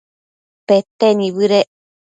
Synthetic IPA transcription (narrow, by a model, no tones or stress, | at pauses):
pet̪eniβɨɾeʔ